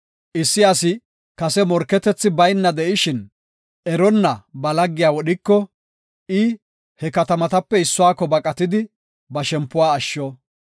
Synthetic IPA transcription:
ʔɪsːɪɐsɪ | kɐsɛmɔɾkːɛt̪ɛt͡sːɪbɐjnːɐd̪ɛʔɪʃɪn | ʔɛɾɔnːɐbɐlɐɡːɪjaːwɔɗɪkːɔ | ʔɪ | hɛkɐt̪ɐmɐt̪ɐpːɛɪsːʊwaːkːɔbɐkʼɐt̪ɪd̪ɪ | bɐʃɛmpːʊwaːʃːɔ

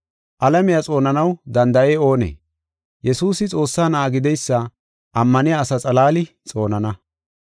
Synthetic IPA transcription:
ʔɐlɐmɪjɐt͡sʼo̞ːnɐnɐwd̪ɐnd̪ɐeːo̞ːnḛː | jʔɛsuːsɪt͡sʼo̞ːsːaːnaːɡɪd̪ɛjsːɐ | ʔɐmːɐnɪjaːsɐt͡sʼɐlaːlɪ | t͡sʼo̞ːnɐnɐ

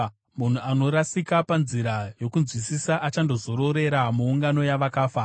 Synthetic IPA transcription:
mun̤uano̞ɾasikapanziɾajo̞kunzwisisaʔat͡ʃando̞zo̞ɾo̞ɾe̞ɾamuːŋɡano̞jaʋakaːfa

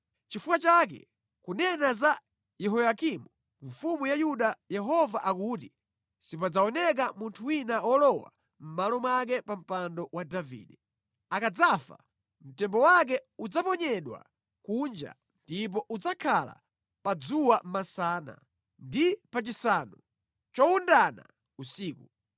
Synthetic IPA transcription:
t͡ʃifukat͡ʃak̬ɛ̰ | kunɛnaza | jɛɦɔjakimu | ɱfumujajuɗajɛɦɔvaʔakuti | sipad͡zaɔnɛk̬amuntʰuwinawɔlɔwa̰ | m̩malɔmwak̬ɛpam̩pandɔwadavḭːɗɛ | akad͡zafa̰ | m̩tɛmbɔwak̬ɛud͡zapɔɲɛɗwa̰ | kund͡ʒa̰ | ndip̬ɔʔud͡zakʰala̰ | pad͡zuwam̩masaːna̰ | ndipat͡ʃisaːnu | t͡ʃɔundana̰ | usiːku

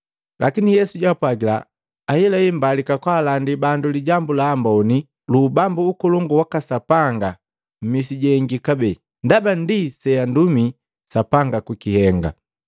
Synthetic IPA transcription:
lʔakinijɛsuɟwapwaɡila̰ː | hilaimbalikakwaːlandibanduliɟambulaːmbɔni | lubambuːkɔlɔŋɡuwakasapaŋɡa | m̩misiɟɛŋɡikabɛ | ndabandisɛjandumi | sapaŋɡakukihɛŋɡa̰

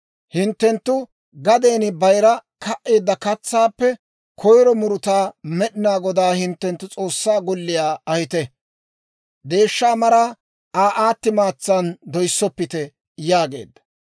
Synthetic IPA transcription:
hɪnt̪ːɛnt̪ːʊ | ɡɐd̪eːnɪbɐjɾɐkɐʔʔeːd̪ːɐkɐt͡sːaːpːɛ | kʰɔjɾɔmʊɾʊt̪aːmɛɗɪnaːɡɔd̪aːhɪnt̪ːɛnt̪ːʊt͡sʼo̞ːsːaːɡɔlːɪjaːɐhɪt̪ɛ | d̪e̞ːʃːaːmɐɾaː | aːʔaːt̪ːɪmaːt͡sːɐnd̪ɔjsːɔpːɪt̪ɛ | jaːɡe̞̰ːd̪ːɐ̥

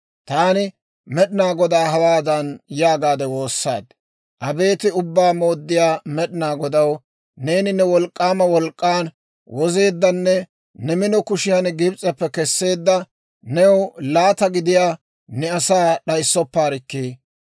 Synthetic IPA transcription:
t̪aːnɪ | mɛɗɪnaːɡɔd̪aːɦɐwaːd̪ɐnjaːɡaːd̪ɛwo̞ːsːa̰ːd̪ | ʔɐbe̞ːt̪ɪʊbːaːmo̞ːd̪ːɪjaːmɛɗɪnaːɡɔd̪ɐw | ne̞ːnɪnɛwɔlkʼːaːmɐwɔlkʼːaːn | wɔze̞ːd̪ːɐnːɛ | nɛmɪnɔkʊʃɪjanɡɪbt͡sʼɛpːɛkɛsːe̞ːd̪ːɐ | nɛwlaːt̪ɐɡɪd̪ɪjaː | nɛɐsaːɗɐjsːɔpːaːɾɪkːiː

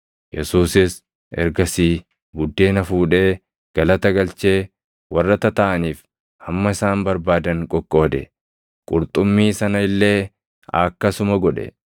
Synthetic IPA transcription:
jɛsuːsɪs | ɛ̰ɾɡɐsiː | ɡʊd̪ːe̞ːnɐfuːᶑe̞ː | ɡ̥ɐlɐt̪ɐɡɐlt͡ʃe̞ː | wɐrːɐt̪ɐt̪ɐʔɐniːf | ɐmːɐɪsaːnbɐɾbaːd̪ɐŋkʼɔkʼːo̞ːd̪ɛ | kʼʊɾt̪ʼʊmːiːsɐnɐɪlːe̞ː | ɐkːɐsʊmɐɡɔᶑɛ̰

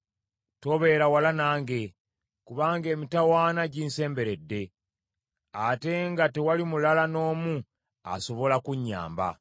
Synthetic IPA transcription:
to̞βe̞ɾawalanaːŋɡe̞ | kuβaːŋɡe̞ːmitawaːnaɟiːnse̞ːmbe̞ɾe̞dːe̞ | ate̞ŋɡate̞walimulalano̞ːmu | a̰so̞βo̞lakuɲːa̰ːmba̰

